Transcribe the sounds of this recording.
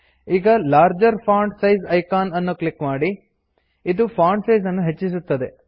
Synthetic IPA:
iːɡɐlaːɾd͡ʒɐɾpʰaːɳɖsɐjzɐjkaːnɐnːuklikmaːɽi | id̪upʰaːɳɖsɐjzɐnːuɦet͡ʃːis̬ut̪ːɐd̪e̞

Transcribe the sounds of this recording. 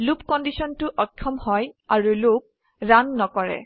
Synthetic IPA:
lupkɔndisɔntʊʔɔkʰːɔmhɔjaɹulok̚ | ɹanːɔkɔɹɛ̰

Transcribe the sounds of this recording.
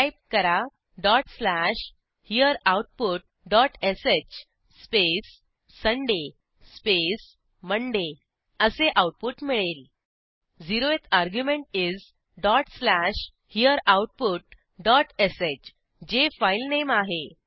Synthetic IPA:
ajp̚kəɾa | ɖɔʈslæɕ | hijəɾawʈ̚puʈ̚ | ɖɔʈʰeset͡ɕ | spesː | əɳɖe | spes | məɳɖe | əseʔawʈ̚puʈmiɭel | d͡ziɾoet̪ʰaɾɡjumeɳʈid͡z | ɖɔʈslæɕ | hijəɾawʈ̚puʈ̚ | ɖɔʈʰeset͡ɕ | d͡ʑefajlnemaɦe

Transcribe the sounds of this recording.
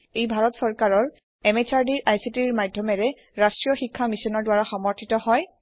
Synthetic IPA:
ejbʱaɹɔtsɔɹkaɹɔɹ | ɛmet͡ʃʰaɹdiɹʔajsitiɹmadʱjɔmɛɹɛ | ɹastɹijɔxikʰːamisɔnɔɹdwaɹaxɔmɔɹtʰitɔhɔj

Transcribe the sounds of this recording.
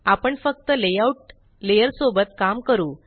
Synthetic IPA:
apəɳfək̚t̪əlejauʈ̚ | lejəɾsobət̪kamkəɾuː

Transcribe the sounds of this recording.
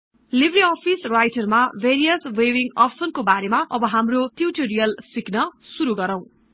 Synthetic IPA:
libɾiʌpʰisrajʈʌrmabʱeɾijʌswewiŋʌ̰psʌnkobaɾemaʔʌbʌɦamroʈiwʈoɾijʌlsiknʌsuɾuɡʌɾaw̃

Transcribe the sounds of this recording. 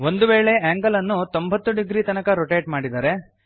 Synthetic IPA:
ʋo̞nd̪uʋeːɭe̞ʔaːŋɡɐlɐnːut̪o̞mbʱɐt̪ːuɖiɡɾiːt̪ɐnɐkɐɾoʈeːʈmaːɽid̪aːɾe̞

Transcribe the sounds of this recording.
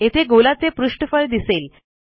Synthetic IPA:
et̪ʰeɡolat͡sepɾuʂʈəfəɾd̪isel

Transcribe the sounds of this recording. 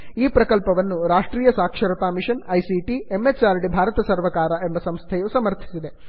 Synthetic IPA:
iːpɾɐkɐlpɐʋɐnːuɾaːʂʈɾiːjɐsaːkʂɐɾɐt̪aːmiʃɐnɐjsiʈiemːet͡ʃaːɾɖibʱaːɾɐt̪ɐsɐɾʋɐkaːɾɐʔembɐsɐmst̪ʰɛjusɐmɐɾt̪ʰi̥sid̪e̞

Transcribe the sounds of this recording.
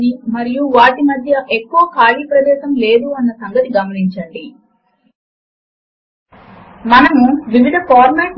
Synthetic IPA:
imɐɾijuʋaːʈimɐd̪ʱjɐʔekːuʋɐkaːliːpɾɐd̪ɛːʃɐmleːd̪uɐnːɐsɐŋɡɐt̪iɡɐmɐniɲt͡ʃɐɳɖi | mɐnɐmuʋiʋid̪ʱɐkaːɾmeːʈ

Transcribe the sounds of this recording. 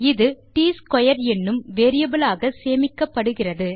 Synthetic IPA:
ɪðɯʈiːskɔjɐɾɛnːɯmʋeːɾɪjɐbɯlaːɣɐseːmɪkːɐpːɐɽɯɣɪrɐðɯ

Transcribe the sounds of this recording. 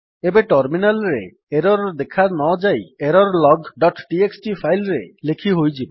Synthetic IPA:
ebeʈɔɾminalɾḛ | eɾɔɾd̪ekʰanɔd͡ʒajeɾɔɾlɔɡɖɔʈʈieksʈipʰajlɾelekʰiɦojd͡ʒibe

